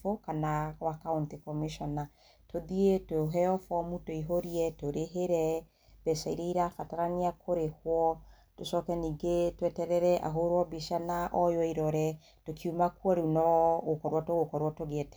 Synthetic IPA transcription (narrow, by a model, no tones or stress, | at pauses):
okanawakauntikɔmiʃɔna | toðietoɦɛɔfɔmutoiɦoɾiɛtoɾeɦeɾɛ | bɛsaiɾeiɾafataɾaniakʰoɾehwɔ | tosɔkɛniːɡetwɛtɛɾɛɾɛʔa̰ɦoɾwɔbiʃanaʔɔjɔiɾɔɾɛ | tokʰiumakwɔɾunɔɣokɔɾwɔtoɣokɔɾwɔtoɣeɛtɛ̥